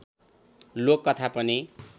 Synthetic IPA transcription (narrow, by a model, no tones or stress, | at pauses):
lokːʌt̪ʰapʌni